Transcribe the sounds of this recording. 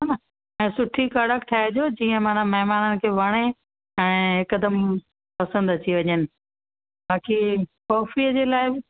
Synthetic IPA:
n | ɛ̃ːsʊʈʰikaɽəkt̪ʰaːɦed͡ʑoːd͡ʑiːə̃mãːnãmɐɦmaːnənɪ̆kʰeːʋɐɽ̃e | ɛ̃ːɦɪkəd̪əm | pɐsə̃nd̪ɐt͡ɕʰiʋɐɲənɪ̆ | baːkikɔːfiəd͡ʑeːlaːɪbɪ

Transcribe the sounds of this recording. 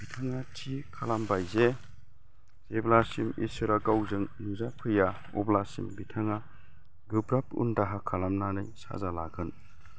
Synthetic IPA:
bitʰaŋatʰikʰalambajze | zeblasimḭsɯɾaɡawzɯŋnuzapʰɯja | ɔ̰blasḭmbitʰaŋa | ɡɯbɾap̚ṵndaɦakʰalamnanɯjsa̰zalaɡɯn

